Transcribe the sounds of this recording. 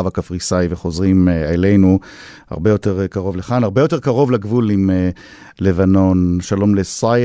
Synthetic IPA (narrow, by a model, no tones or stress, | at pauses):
avakafʁisajveχo̞zʁimele̞jnu | ha̰ʁbe̞jo̞teʁkaʁo̞vleχanaʁbe̞jo̞te̞ʁkaʁo̞vlaɡvulime | le̞vano̞nʃalo̞mlesa